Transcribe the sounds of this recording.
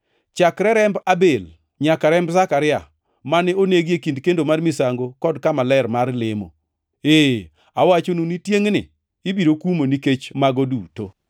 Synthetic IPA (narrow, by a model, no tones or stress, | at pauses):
t͡ʃakɾɛɾɛmbabel | ɲakaɾɛmbzakaɾɪa | manɛoneɡekindkendomarmisaŋɡokɔdkamalɛrmarlemo̰ | e | awat͡ʃonunitjeŋnɪ̰ | ɪbiɾokumoniket͡ʃmaɡoduto̰